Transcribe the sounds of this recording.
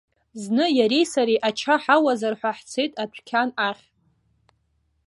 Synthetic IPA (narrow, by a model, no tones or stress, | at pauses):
znɨjaɾejsaɾiʔat͡ʃʰaħawazarħʷaħt͡sʰejtʼapʷʰkʲʰanaχʲ